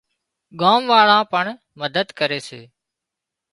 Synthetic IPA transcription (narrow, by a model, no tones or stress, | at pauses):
ɠaːmʋaːɭãːpəɳ | məd̪əd̪kəɾeːsḛː